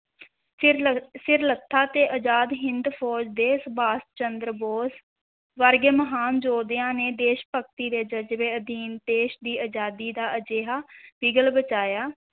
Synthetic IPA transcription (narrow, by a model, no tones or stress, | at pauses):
sɪɾlət̪ʰːaːt̪eːʔəd͡ʒaːd̪ɦɪnd̪pʰɔːd͡ʒd̪eːsəbaːst͡ʃənd̪ɾboːs | ʋəɾɡeːməɦaːnd͡ʒoːd̪ɪjãːneːd̪eːʃpək̚ʰt̪iːd̪eːd͡ʒəd͡ʒʋeːəd̪iːnt̪eːʃd̪iːʔəd͡ʒaːd̪iːd̪aːəd͡ʒeːɦaːb̥ɪɡəlbət͡ʃaːjaː